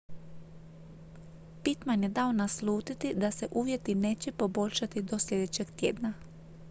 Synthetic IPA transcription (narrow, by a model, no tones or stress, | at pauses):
pit̪manje̞d̪ao̞naslˠuːt̪it̪id̪ase̞ʔuːʋje̞t̪ineːt͡ɕe̞po̞bo̞ʎʃat̪id̪o̞sʎʲe̞d̪e̞t͡ɕe̞ɡt̪jḛːd̪na